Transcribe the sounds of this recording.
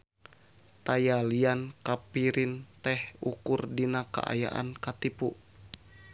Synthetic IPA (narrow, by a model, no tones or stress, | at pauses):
t̪ajaliankapiɾint̪ɛhukurdinaka̰ʔa̰ja̰ʔa̰nkat̪ipu